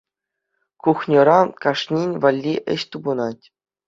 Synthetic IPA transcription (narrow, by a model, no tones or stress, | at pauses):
kuxnʲɤ̆ɾɑkɑʂnʲinʲvɑlʲːiʔɘ̰̆ɕt̪ubɤ̆nɑtʲ